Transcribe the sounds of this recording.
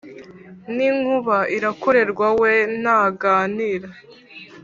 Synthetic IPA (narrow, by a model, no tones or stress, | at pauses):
niŋhuβaiɾako̞ɾe̞ɾɡwawenaɡaːniːɾa